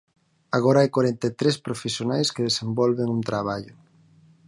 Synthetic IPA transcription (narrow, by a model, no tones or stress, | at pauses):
aɣɔɾaajkwaɾɛnt̪et̪ɾespɾofesjonajskeðesembɔlβeŋunt̪ɾaβ̞aʎʊ